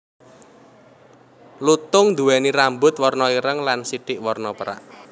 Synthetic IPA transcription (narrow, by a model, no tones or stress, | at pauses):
lut̪ʊŋd̪ṳwɛniɾambʊt̪̚wɔrnɔiɾəŋlansiɖ̥ɪʔwɔrnɔpəɾa̰ʔ